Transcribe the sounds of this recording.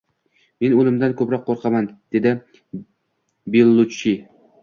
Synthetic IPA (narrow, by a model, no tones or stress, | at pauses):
me̞nonɪmd̪ankʰɵpɾɒqʰːoɾqʰɑmand̪̥e̞d̪ɪ | belˠːʊt͡ʃːi